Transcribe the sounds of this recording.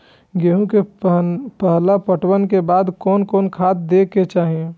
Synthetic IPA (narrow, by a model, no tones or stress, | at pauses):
ɡeːɦũke | pəɦlapəʈwənkebaːd̪kɔːnkɔːnkʰaːt̪̚d̪ekːet͡ʃaːɦiẽ